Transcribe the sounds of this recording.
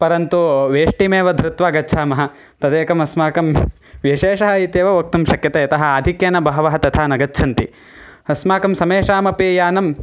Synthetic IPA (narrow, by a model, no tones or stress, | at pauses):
pɐɾɐnt̪uʋeːʂʈimeːʋɐd̪ʱɾut̪ʋaːɡɐtːʃʰaːmɐɦɐ̆ | t̪ɐd̪eːkɐmɐsmaːkɐm | ʋjiʃeːʃɐɦɐit̪jeːʋɐʋɐk̚t̪umʃɐkjɐt̪eːɐt̪ɐɦɐ̆aːd̪ʱikjɐːnɐbɐɦɐʋɐɦɐt̪ɐt̪ʰaːnɐɡɐtːt͡ʃʰɐnt̪ḭ | ɐsmaːkɐmsɐmeːʃaːmɐpeːjaːnɐm